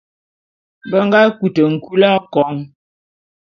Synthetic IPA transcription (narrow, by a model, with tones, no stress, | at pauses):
bə˦ŋɡa˦ku˨tə˨ŋ̩˨ku˦la˦kɔ˨˦ŋ